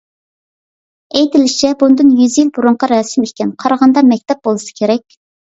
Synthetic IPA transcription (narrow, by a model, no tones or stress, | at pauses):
ejt̪ʰɪlɪʃt͡ʃʰɛbund̪ɨnjyzjilbuɾuɴqɑɾɑsɪmekʲɛnqʰɑɾɑʁɑnd̪ɑmɛkʲt̪ʰɛp̚b̥olˠɨsɨ̥kʲʰeɾɛkʲ